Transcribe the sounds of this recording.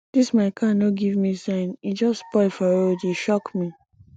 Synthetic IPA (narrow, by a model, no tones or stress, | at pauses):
d̥ismaɪkʰãnoɡivmisãnid͡ʒɔspɔɪfaɾodeʃɔkmi